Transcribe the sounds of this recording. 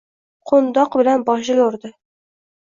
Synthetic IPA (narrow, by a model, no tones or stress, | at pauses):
qʰond̪ɒqbɪlanbɒʃ̬lɪjoɾd̪ɪ